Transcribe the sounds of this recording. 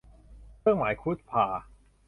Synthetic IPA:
ɾʰɯ˥˩əŋmaː˩˦jkʰu˦˥t̪̚pʰaː˨˩

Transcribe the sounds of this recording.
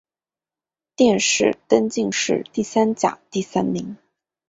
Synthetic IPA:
t̪jɛ˥˧nʂɻ̩˥˩t̪ə˥nt͡ɕi˥˧ŋʂɻ̩̰˥˧t̪i˥˩sa˥nt͡ɕja̰˨˩˦t̪i˥˩sa˥nmi˧˥ŋ

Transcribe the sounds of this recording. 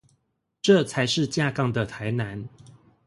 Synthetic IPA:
ʈ͡ʂɤ˥˨t͡sʰa˨˧˦ɪʂɻ̩˥˨t͡ɕja˥˧kɑ˥˨˩ŋd̪ə˨t̪ʰa˨˦ɪna˨˦n

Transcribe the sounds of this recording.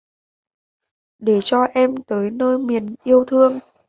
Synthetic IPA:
ɗe˧˩t͡ɕɔ˧ʔɛ˧mt̪əː˨˦jnəː˧jmi˨˩ənʔi˧əwt̪ʰɨ˧əŋ

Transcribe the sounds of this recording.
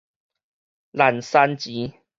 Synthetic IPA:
la˨˩nsa˦nt͡ɕi˨˦

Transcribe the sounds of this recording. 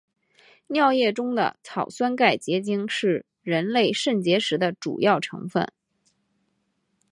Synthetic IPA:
njɑ˥˧ʊjɛ˥˩ʈ͡ʂʊ˥ŋd̪ə̰˨t͡sʰɑ˨˩ʊswa˥nka˥˩ɪt͡ɕjɛ˧˥t͡ɕi˥ŋʂɻ̩˥˩ | ɻə˧˥nle˥˧ɪʂə˥˩nt͡ɕjɛ˧˥ʂɻ̩˧˥d̪ə˧ʈ͡ʂṵ˨˩jɑ˥˩ʊʈ͡ʂʰɤ̰˧˥ŋfə̰˥˩n

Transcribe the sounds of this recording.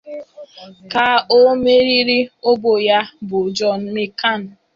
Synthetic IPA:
ka˦o˦me˦ɾi˦ɾi˦o˦bo˨ja˦bʊ˨d͡ʒɔ˦˨n̩˦me˦ka˦˨n̩˨

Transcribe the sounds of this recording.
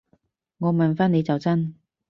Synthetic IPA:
ŋɔː˨˧mɐ˨nfaː˥ne˨˧jt͡sɐ˨wt͡sɐ˥n

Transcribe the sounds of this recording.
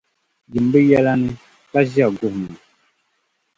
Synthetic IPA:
d͡ʒi˨m˨be˦jɛ˦la˦nĩ˦ | ka˦zi˦a˨ɡu˦˨hmã˨

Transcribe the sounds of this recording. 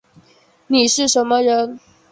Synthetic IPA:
ni˨˩ʂɻ̩˥˩ʂə˧˥nmə˧ɻə˧˥n

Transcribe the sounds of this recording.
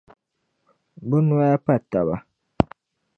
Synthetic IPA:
bu˦nu˦a˦a˦pa˦˨ta˨ba˨

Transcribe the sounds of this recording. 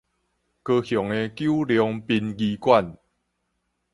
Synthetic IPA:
kəː˧xjɔ˨˩ŋe˧kju˦ljɔ˧ŋpi˧nɡiː˧kwa˥˨n

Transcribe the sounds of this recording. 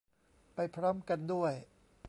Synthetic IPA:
pa˧jpʰɾɔː˦˥mka˧ndu˥˩əj

